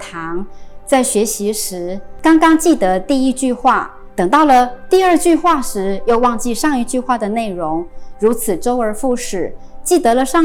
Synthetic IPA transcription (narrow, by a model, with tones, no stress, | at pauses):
t̪ʰɑ˧˥ŋt͡sa˥˩ɪɕɥɛ˧˥ɕi˧˥ʂɻ̩˧˥kɑ˥ŋkɑ˥ŋt͡ɕi˥˩t̪ə˧˦t̪i˥˧i˥t͡ɕy˥˧xwa˥˩ | t̪ɤ˨˩ŋt̪ɑ˥˩ʊlə˩t̪i˥˧ə˞˥˧t͡ɕy˥˧xwa˥˩ʂɻ̩˧˥jo˥˧ʊwɑ˥˧ŋt͡ɕi˥˧ʂɑ˥˧ŋi˥˧t͡ɕy˥˧xwa˥˩d̪ə˩ne˥˩ɪɻʊ˧˥ŋɻu˧˥t͡sʰɹ̩˨˩ʈ͡ʂo˥ʊə˞˧˥fu˥˩ʂɻ̩˥˨˩t͡ɕi˥˩t̪ɤ˧˥lə˧ʂɑ˥˧ŋ